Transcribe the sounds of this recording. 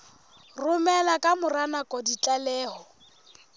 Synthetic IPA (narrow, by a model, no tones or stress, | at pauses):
rʊmɛlakʼamʊranakʼɔdit͡ɬʼalɛːɦɔ